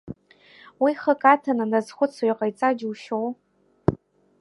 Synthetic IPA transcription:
wiχəkʼatʰananazχʷʊt͡sʰajqʼajt͡sʼad͡ʒuʃow

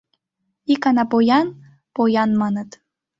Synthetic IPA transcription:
ikɑnɑpojɑn | pojɑnmɑnə̆t̪

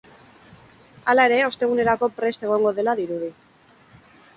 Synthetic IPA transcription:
alae̞ɾe̞o̞st̪e̞ɣ̞une̞ɾako̞pɾe̞st̪e̞ɣ̞o̞ŋɡo̞ðe̞laðiɾuð̞i

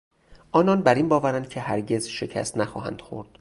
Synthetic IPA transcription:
ʔɒːnɒnbæɾiːnbɒːvæɾænd̪̥̚cʰe̞hæɾɟe̞zʃe̞cʰæ̰st̪næxɒ̰ːɦæ̰nd̪̥xo̰ɾd̪̥

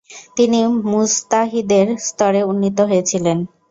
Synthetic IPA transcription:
t̪inimust̪aɦid̪eɾst̪ɔɾeunːit̪oɦojet͡ɕʰilen

